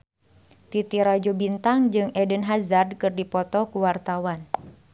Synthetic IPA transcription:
t̪it̪iɾad͡ʒobint̪aŋd͡ʒɨŋɛdənɦazard̚kɨrdipɔt̪ɔkuwart̪awan

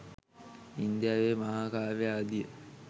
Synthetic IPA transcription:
ind̪jaːʋeːmaɦaːkaːʋejaːd̪ijə

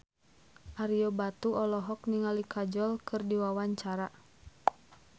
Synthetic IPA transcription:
ʔaɾijɔbat̪uɔlɔɦɔk̚niŋalikʰad͡ʒɔlkʰɨrdiwawaɲt͡ʃaɾa

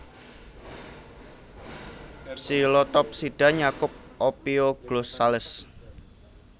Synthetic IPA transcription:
silɔt̪ɔp̚siɖ̥a̤ɲakʊp̚ʔopeoɡ̥losalɪs

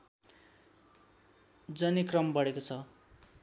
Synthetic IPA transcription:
d͡zʌnikrʌmbʌɽekot͡sʰʌ

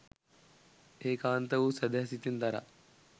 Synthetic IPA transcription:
eːkaːnt̪ɐʋuːsɐd̪ʱjaːsit̪ind̪ɐɾa̰

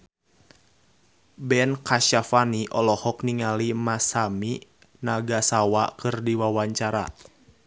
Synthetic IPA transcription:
bɛnkaʃafaniʔɔlɔhɔkniŋalimasami | naɡasawakɨrdiwawaɲt͡ʃaɾa̰

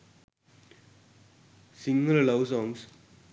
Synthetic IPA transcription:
sĩŋɡəllʌʋsɔ̃ːŋs

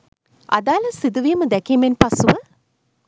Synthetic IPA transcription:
a̰d̪aːləsid̪uʋiːməd̪ɛkiːmenpasuʋə

